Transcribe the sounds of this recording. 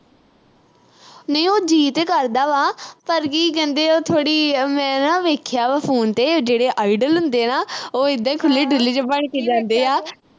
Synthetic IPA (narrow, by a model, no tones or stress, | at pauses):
nəĩːoːd͡ʒiːt̪ekəɾd̪aːʋaːpəɾkiːk̬ɛ̃ːnd̪eːoːt̪ʰoːɽiːmɛ̃ːnãːʋeːkʰjaːʋapʰoːnt̪eːd͡ʒeːɽeːʔaːiɖəlɦʊ̃nd̪eːnaːoːɪd̪ãːiːkʰʊlːeːɖɪlit͡ʃbəɳkeːd͡ʒãːnd̪eːaː